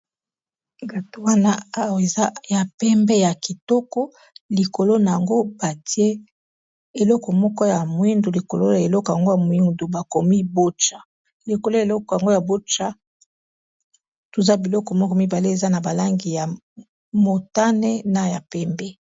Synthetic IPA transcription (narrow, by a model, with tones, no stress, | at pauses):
ɡa˨to˦wa˦na˦a˦we˨za˦ja˨pɛ˦mbɛ˦ja˨ki˨tɔ˦kɔ˦ | li˨ko˨lo˦na˨ja˨ŋɡo˦ba˨ti˦e˦ | e˨lɔ˦kɔ˨mɔ˦kɔ˦ja˨mo˨i˦ndo˨li˨ko˨lo˦a˨e˨lɔ˦kɔ˨ja˨ŋɡo˦ja˨mo˨i˦ŋdo˨ba˨ko˨mi˦bo˦t͡ʃa˨ | le˨ko˨lo˦e˨lɔ˦kɔ˨ja˨ŋɡo˦ja˨bo˦t͡ʃa˦ | to˨za˦bi˨lɔ˦kɔ˨mɔ˦kɔ˦mi˦ba˨le˦e˨za˦na˨ba˨la˦ŋɡi˨ja˨ | mo˨ta˦ne˦na˨ja˨pɛ˦mbɛ˦